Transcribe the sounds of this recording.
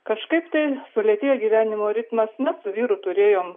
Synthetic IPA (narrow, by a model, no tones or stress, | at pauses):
kɐʃkɐɪpt̪ɐɪsʊlʲiɛt̪ʲeːjoːɡʲiːʋʲæːnʲɪmoːɾʲɪt̪mɐsmʲɛt̪sʊʋʲiːɾʊt̪ʊɾʲeːjoːm